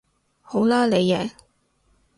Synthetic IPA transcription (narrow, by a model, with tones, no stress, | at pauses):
ho˨˥wlaː˥le˨˧jɛː˨˩